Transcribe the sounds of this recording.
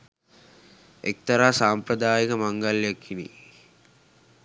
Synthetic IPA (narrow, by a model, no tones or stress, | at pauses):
ḛk̚t̪ɐɾaːsaːmpɾɐd̪aːjikəmaŋɡaljakʰːinḭ